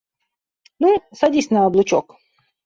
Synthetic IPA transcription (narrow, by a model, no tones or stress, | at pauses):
nusɐdʲisʲnɐɐblˠʊt͡ɕok